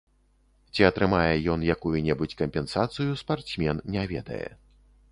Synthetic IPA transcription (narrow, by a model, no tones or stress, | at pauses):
t͡sʲiɐt̪ɾɨmajɛjɔnjakujunʲɛbut͡sʲkɐmʲpʲɛnsat̪sɨjuspart̪smʲɛnːʲɛvʲɛ̰d̪ɐ̰jɛ̰